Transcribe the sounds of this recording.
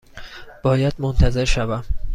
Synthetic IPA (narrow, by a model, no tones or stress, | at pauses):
b̥ɒːjæd̪mont̪ʰæze̞ɾʃævæm